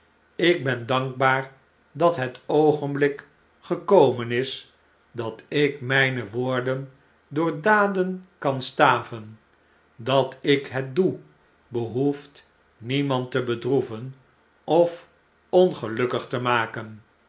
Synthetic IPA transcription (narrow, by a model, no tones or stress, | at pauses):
ɪk̚bɛndɑŋɡ̚baːr | dɑtɦətʰowχənblɪk | χəkowmənɪs | dɑtɪkmɛjnəʋoːɹdən | dʊːɹdaːdənkɑnstaːvən | dɑtɪkɦət̚du | bəɦuft | nimɑntəbədruvən | ɔf | ɔnχəlɵkəχtəmaːkən